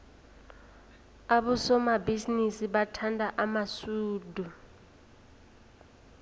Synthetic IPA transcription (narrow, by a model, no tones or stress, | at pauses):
aɓusɔmabizinisiɓatʰandʱaʔamasuːdʱu